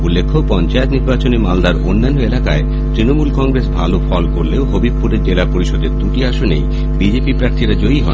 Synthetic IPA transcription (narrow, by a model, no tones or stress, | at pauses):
ulːekʰːopɔnt͡ɕaet̪niɾbat͡ɕonemald̪aɾonːanːoelakae | t̪ɾinomulkɔŋɡɾesbʱalofʰɔlkoɾleoɦobib̚puɾeɾd͡ʑelapoɾiʃod̪eɾt̪uʈiaʃonḛj | bid͡ʑepipɾaɾt̪ʰiɾad͡ʑoiɦɔ̰